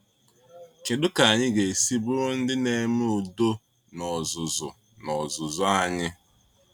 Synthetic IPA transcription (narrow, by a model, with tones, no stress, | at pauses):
kɪ˨dʊ˦ka˨a˨ɲɪ˦ɡe˨si˦bʊ˦ɾʊ˦n̩˦dɪ˦ne˦m˦ʊ˨do˦ | nɔ˨zʊ˨zʊ̰˨ | nɔ˨zʊ˨zʊ˦a˦ɲɪ˦